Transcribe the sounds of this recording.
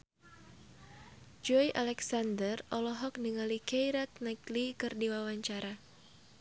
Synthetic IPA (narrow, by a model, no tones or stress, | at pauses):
d͡ʒɔjʔalɛksandərɔlɔɦɔk̚niŋalikejɾak̚naklikɨrdiwawaɲt͡ʃaɾa